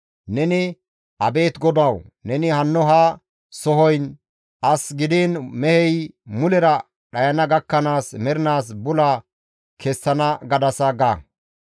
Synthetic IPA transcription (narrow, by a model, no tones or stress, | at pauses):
nɛnɪ | ʔɐbe̞ːt̪ɡɔd̪ɐwnɛnɪhɐnːɔɦaː | sɔɦɔjn | ʔɐsɡɪd̪iːnmɛhɛjmʊlɛɾɐ | ɗɐjɐnɐɡɐkːɐnaːsmɛɾɪnaːs̬bʊla | kʰɛsːɐnɐɡɐd̪ɐsɐɡaː